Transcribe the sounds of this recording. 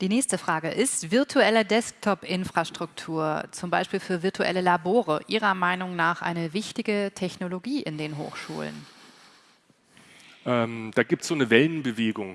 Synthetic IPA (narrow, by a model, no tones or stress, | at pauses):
d̥iːnɛːçstəfʁ̥aːɡəʔɪstv̥ɪɐtʰuɛlɐdɛsk̚tʰɔpʔɪnfʁ̥aʃtʁ̥ʊktʰuːɐt͡sʊmbaɪʃpiːlfyːɐvɪɐtʰuʔɛ̰ləlaboːʁ̞əʔiːʁ̞ɐmaɪnʊŋnaːχʔa̰ɪnəvɪçtɪɡətʰɛçnoloɡiːʔɪndeːnɦo̰ːxʃṵːlə̰n | ʔɛmd̥aːɡiːp̚tsz̥oːnəvɛlənbəveːɡʊŋ